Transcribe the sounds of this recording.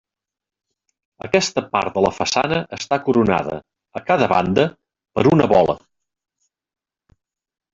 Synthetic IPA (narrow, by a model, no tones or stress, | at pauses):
əkɛst̪əpa̰rt̪̚d̪ələfəsanəʔəst̪akuɾuna̰ðə̰ | əkaðəβa̰nd̪ə | pəɾunəβɔlə̰